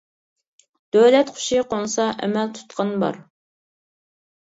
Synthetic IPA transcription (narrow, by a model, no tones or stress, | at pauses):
d̪̥øwlɛt̪qʰʊ̥ʃiqoŋsɑʔɛ̰mɛlt̪ʰu̥t̪qʰɑnbɑ̰ɾ